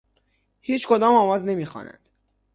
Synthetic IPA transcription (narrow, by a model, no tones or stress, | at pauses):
hiːt͡ʃʰkʰod̪ɒːmɒːmɒːzne̞miːxɒ̰ːnæ̰nd̪̥